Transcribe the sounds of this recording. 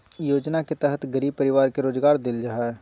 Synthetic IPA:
joːd͡ʒnaket̪ɛɦət̪ɡɐɾiːb̚pɐɾɪʋaːɾkeɾoːzɡaːɾd̪ɪld͡ʒaːɛː

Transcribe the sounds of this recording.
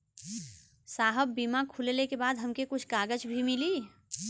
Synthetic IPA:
saːɦəbːimakʰullekebaːd̪ɦəmkekʊt͡ʃʰkaːɡəd͡ʒbʱimili

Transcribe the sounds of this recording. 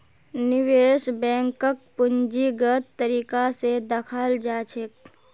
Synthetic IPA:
nɪʋeːʃbɛ̃ːŋkək̚pʊɲd͡ʒiɡət̪ːəɾiːkased̪əkʰaːld͡ʒaːt͡ʃʰek

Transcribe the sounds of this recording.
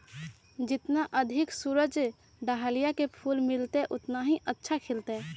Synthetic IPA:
d͡ʒɪt̪naʔəd̪ʱɪksuɾəd͡ʒ | ɖaɦalijakepʰulmɪlt̪eʔʊt̪naɦiʔətːʃʰakʰɪlt̪e

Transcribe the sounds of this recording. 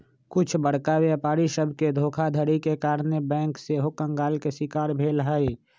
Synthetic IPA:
kʊt͡ʃʰbəɽ̤kawjapaːɾiʃəbʱked̪ʱoːkʰad̪ʱəɾikekaːɾnebɛ̃ːŋkseɦokə̃ŋɡaːlkeʃɪkaːɾbʱeːlɦəi

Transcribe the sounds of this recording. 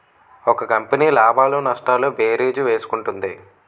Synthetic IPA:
ɔkɐkɐmpɐniːlaːbaːlunɐʂʈaːluːbeːɾeːd͡ʒuʋe̞ːsu̥kuɳʈund̪i

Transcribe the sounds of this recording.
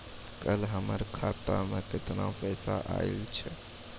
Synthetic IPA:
kəlɦəməɾkʰat̪amẽkɪt̪napəːsaʔailt͡ʃʰɛ

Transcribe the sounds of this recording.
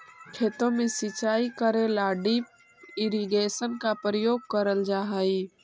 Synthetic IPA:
kʰeːt̪õmẽsɪt͡ʃaːikəɾelaːɖip | ɪɾiɡeːsənkapɾəjoːɡ̚kəɾəld͡ʒaːɦəi

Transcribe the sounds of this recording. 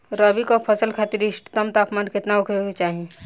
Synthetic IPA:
ɾəbikopʰɐsəlkʰaːt̪iɾɪʃʈt̪əmt̪aːpmaːnkɪt̪naʊkʰet͡ʃaːɦiẽ

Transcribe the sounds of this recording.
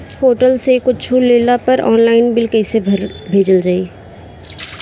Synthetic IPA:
hoːʈəlsekʊt͡ʃʰuleːlapɐɾɔːnlaːɪnbɪlkɛːsebʱɾbʱeːd͡ʒəld͡ʒaːiː

